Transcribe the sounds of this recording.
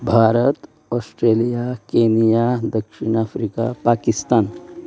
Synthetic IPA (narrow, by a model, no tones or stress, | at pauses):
bʱaɾət̪ | ɔsʈɾelijakenijad̪əkʂiɳ̃afɾika̰pakist̪an